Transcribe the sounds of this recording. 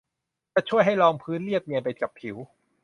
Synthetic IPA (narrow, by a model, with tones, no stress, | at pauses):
t͡ɕa˧˩t͡ɕʰu˥˩əjɦa˥˩jlɔː˧ŋpʰɯː˦˥nli˥˩ək̚ni˧ənpa˧jka˨˩pʰi˩˦w